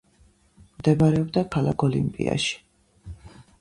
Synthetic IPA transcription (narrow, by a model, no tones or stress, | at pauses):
md̪ɛbaɾɛɔbd̪akʰalakʰɔlḭmpʼḭa̰ʃi̥